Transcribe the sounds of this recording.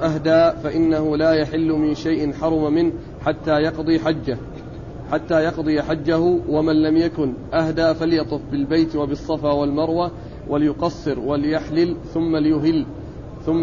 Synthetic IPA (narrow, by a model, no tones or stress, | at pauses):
ʔahd̪aːfaʔɪnːahʊlaːjaħɪlːʊmɪnʃajʔɪnħɑɾˤʊmmɪn | ħat̪ːaːjɑqd̪ˤiːħad͡ʒːa | ħat̪ːaːjɑqd̪ˤɨjaħad͡ʒːahʊwamanlamjakʊnʔahd̪aːfaljɑt̪ˤʊfbɪlbajt̪wabɨsˤːɑfaːwalmɑɾˤwa | wʔaljʊqɑsˤːɨɾwalɪjaħlɪlθʊmːalɪjʊɦɪlː | θʊmː